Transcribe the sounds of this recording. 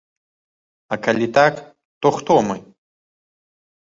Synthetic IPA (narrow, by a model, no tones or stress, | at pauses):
ɐkalʲit̪ak | t̪ɔxt̪ɔmɨ